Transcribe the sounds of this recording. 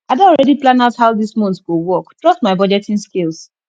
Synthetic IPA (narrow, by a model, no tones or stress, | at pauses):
adɔɔɹɛdiplãnaʊthaʊdismɔ̃nθɡowɔktɹɔstmaɪbɔd͡ʒɛtɪ̃nskels